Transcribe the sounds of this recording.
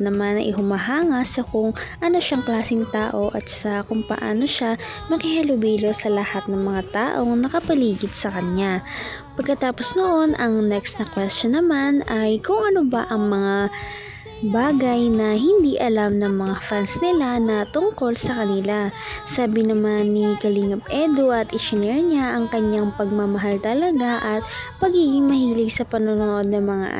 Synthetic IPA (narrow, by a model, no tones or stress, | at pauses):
nɐmanɐŋʔɪɦʊmɐɦaːŋɐsɐkʊŋʔɐno̞ʃaŋklaːsɪŋt̪aːʔo̞ʔɐ̰t̪sɐkʊŋpɐ̰ʔa̰ːno̞ʃa | mɐkɪhɐlʊbiːlo̞sɐlɐhat̪̚nɐŋmɐŋat̪aːʔo̞ŋnɐkɐpɐliːɡɪd̪̥̚sɐkɐnɲapɐɡ̚kːɐt̪aːpo̞snoʔo̞nʔɐŋnɛkst̪nɐkwɛst̪onːɐmanɐjkʊŋʔɐno̞bɐʔɐŋmɐŋa | baːɡɐjnɐɦɪnd̪iʔɐlamnɐŋmɐŋafansnɪlanɐt̪ʊŋko̞lsɐkɐnɪlasaːbɪnɐmanːikɐliŋɐp̚ʔɛd̪oʔɐt̪ʔɪʃɪnɛɾɲaʔɐŋkɐɲjaŋpɐɡ̚mɐmɐɦalt̪ɐlɐɡaʔɐt̪̚ | pɐɡiːɡɪŋmɐhiːlɪɡsɐpɐnonoʔo̞d̪̚nɐŋmɐŋa̰ʔ